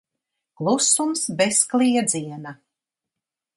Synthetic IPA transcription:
klˠusumsbesklˠiɛd̪ziɛna

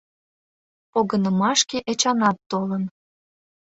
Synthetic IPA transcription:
poɣənəmɑʃkeʔet͡ɕɑnɑt̪ːolən

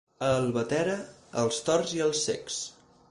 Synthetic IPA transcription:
əlˠβət̪ɛɾəːlˠst̪ɔrziəlˠsḛks

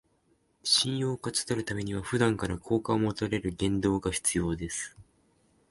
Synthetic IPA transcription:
ɕĩɰ̃jo̞ːkat͡sɨ̥t̪aɾɯ̟t̪ame̞ɲ̟iβ̞aɸɯ̟d̪ãŋkaɾakʰo̞ːkaomot̪aɾe̞ɾɯ̟ɡẽ̞nd̪o̞ːɡaçi̥t͡sɨjo̞ːd̪e̞sɨ̥

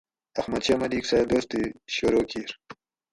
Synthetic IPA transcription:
ɐxmɐd̪ɕaːmɐd̪iːksajd̪oːst̪iɕoɾoːkiɾ

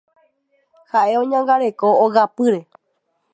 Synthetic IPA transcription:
haʔe̞õɲãŋɡaɾe̞koːɣapɨɾe̞

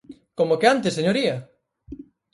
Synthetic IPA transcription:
komokeant̪eseɲoɾiɐ

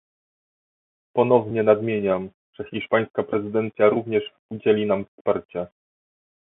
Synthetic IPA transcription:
pɔnɔvɲɛnad̪mʲjeɲam | ʐ̥ɛxʲiʂpaj̃skapɾɛzɘd̪ɛnt̪sʲjaɾuvɲɛʂ | ud͡ʑelʲinamfspaɾt͡ɕɛ

